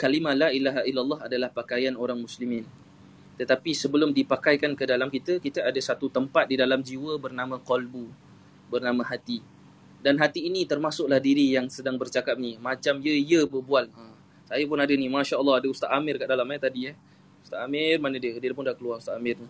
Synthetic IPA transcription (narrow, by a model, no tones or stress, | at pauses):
kalimãlailaɦailːalːɑɦadalahpakajanoɾaŋmuslimɪ̃n | t̪ət̪apisəbəlʊmdipakajkankədalamkit̪əkit̪əadəsat̪ut̪əmpat̪̚didalamd͡ʒiwəbərnãmə̃kɔlbu | bərnamãɦat̪i | danɦat̪iːnĩt̪ərmasʊklahdiɾijaŋsədaŋbərt͡ʃakap̚nimãt͡ʃamjəijəbəbualə | sajapʊnadənimaʃaəlːɑadəust̪aʔ̪amɪrkaʔdalamɛt̪adiɛh | ust̪aʔ̪amɪrmanə̃diəkədiərpʊndakəluaust̪aamɪrni